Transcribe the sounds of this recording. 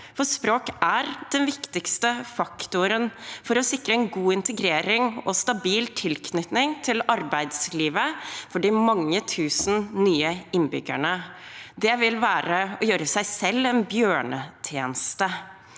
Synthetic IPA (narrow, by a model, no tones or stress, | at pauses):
fɔspɾoːkæɾd̪̥ɛnʋɪkt̪ɪkst̪əfɑkt̪ʊɾənfɔɾɔsɪkɾəɛnɡuːɪnt̪əɡɾeːɾɪŋɔst̪ɑbiːlt̪ʰɪlkʰnʏt̪nɪŋt̪ʰɪlɑɾbæɪd̪sliːʋəfɔɖɪmɑŋːət̪ʰʉːsn̩nyːəɪnbʏ̰ɡæ̰ɳəd̪ɛʋɪlʋæːɾəɔjøːɾəsæɪsɛlːɛnbjøːɳət̪ʰjeːnəst̪ə